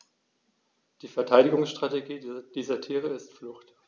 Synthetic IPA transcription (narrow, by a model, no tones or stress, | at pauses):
d̥iːfɛɐtʰaɪɾɪɡʊŋsʃtʁ̥ateɡiːd̥iːzɐtʰiːʁ̞əɪstflʊxt